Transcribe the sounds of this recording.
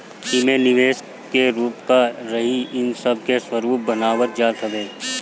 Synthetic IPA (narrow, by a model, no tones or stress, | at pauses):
simenɪʋeːʃ | keɾuːpkaɾɐɦiɪnsəb̚ʱkeswəɾuːp̚bɐnaːwəɾd͡ʒaːɾkʰəbeː